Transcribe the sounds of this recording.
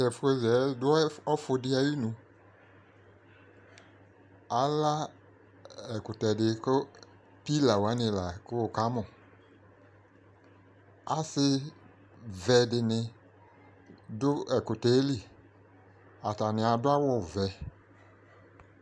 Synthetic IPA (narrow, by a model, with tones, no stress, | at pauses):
ɛ˨fe˧zɛ˨˦dʊ˦ɔ˦fʊ˧dɪ˧a˧ji˦nũ˧ | a˨la˦ | ɛ˨kʊ˨tɛ˨dɪ˧kʊ˦ | pi˦la˨wa˨˦nɪ˧˨la˨kʊ˦o˨ka˨˦mɔ˨ | a˨sɪ˦ | vɛ˧dɪ˧nɪ˧ | dʊ˦ɛ˨kʊ˨te˨˦li˨ | a˨ta˨nɪ˨a˨dʊ˦a˦wɔ˦˨vɛ˨˧